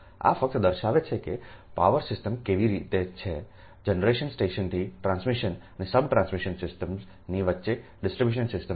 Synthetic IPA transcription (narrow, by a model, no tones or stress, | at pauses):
a̰fək̚t̪d̪əɾʃaʋet͡ʃʰekepa̰ʋəɾsɪsʈəmkeʋiɾit̪et͡ʃʰe | d͡ʒənəɾeʃənsʈeʃənt̪ʰiʈɾãnsmiʃənənesəbʈɾãnsmiʃənsɪsʈəm | niʋətːʃe | ɖɪsʈɾibjuʃənsɪsʈə